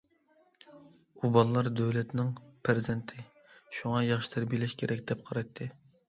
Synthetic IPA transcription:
ubɑlˠɨlˠɑɾd̪øwlɛt̪nɪŋpʰɾzɛnt̪ʰɪ | ʃuŋɑjɑχʃi̥t̪ʰɛɾbilɪʃkʲʰeɾɛkʲd̪ɛp̚qʰɑɾɑjt̪ʰːɨ

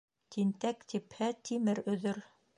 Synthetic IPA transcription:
t̪int̪ækt̪ʰiphɘt̪ʰimɘɾɵ̆ðɵɾ

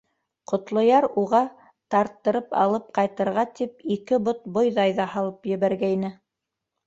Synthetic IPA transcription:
qŏt̪lˠŏjɑɾuʁɑ | t̪ɑɾt̪ːɤ̆ɾɤpɑ̰lˠɤp̚qɑjt̪ɤ̆ɾʁɑt̪ip̚ikɘbot̪̚bojðɑjðɑhɑlˠɤpjɘ̆βæɾɡæinɘ

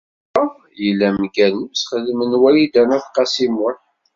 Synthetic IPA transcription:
jəlːæmɡænəmsχəðmənwæjid̪ænæθqɑsimʊɾ

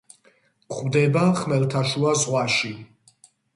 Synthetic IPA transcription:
kʼwvd̪ɛbaχmɛlt̪ʰaʃuazʁwaʃi

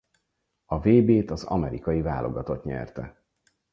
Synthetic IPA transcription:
ɒveːbeːt̪ɒzɒ̰mɛɾikɒjiva̰ːlʔo̞ɡɒt̪o̞t̪ɲɛ̰rt̪ɛ

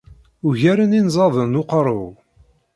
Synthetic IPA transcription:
uʝæɾəninzˤɑðˤənʊqɾˤə̰w

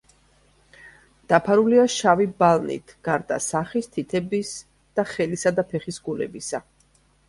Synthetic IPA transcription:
d̪̥apʰaɾuliaʃavibalˠnḭt̪ʰɡ̥aɾd̪a̰saχist̪ʰit̪ʰɛbis | d̪̥aχɛlisad̪apʰɛχisɡulɛ̰bisa

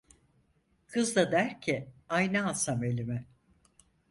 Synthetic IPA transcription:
kʰɯzd̪ad̪æɾcʰiajnaːsamelʲimɛ

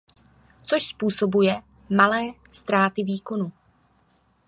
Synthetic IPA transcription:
t͡soʃspuːso̞bujɛ | malɛː | st̪ɾaːt̪ɪviːko̞nu

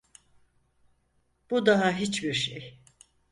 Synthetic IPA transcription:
b̥ud̪aɦaɦit͡ʃbiɾʃej

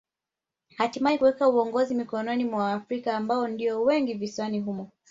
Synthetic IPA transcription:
hatimaikuwɛkauɔŋɡɔzimikɔnɔnimwaːfɾikaːmbaɔndiɔwɛŋɡiviswaniɦumɔ

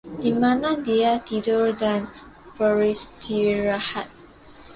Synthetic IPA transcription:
dimãnãndiatidɔɹdãn | fɔɹistʰiɹahat̚

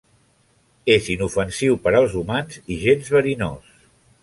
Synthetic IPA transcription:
ezinufənsiwpəɾəlˠzumanziʒenzβəɾinos

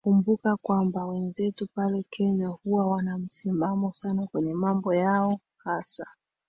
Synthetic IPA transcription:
kumbukakwambawɛnzɛtupalɛkʰɛɲahuwawanam̩simamɔsanakwɛɲɛmambɔjaɔ | hasa

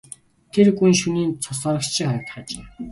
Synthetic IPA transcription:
t̪ʰerɡujnʃuniːnt͡sʰʊsɔːɾɞ̆kt͡ɕʰĭŋχœɾɞ̆t̪χat͡ɕeː

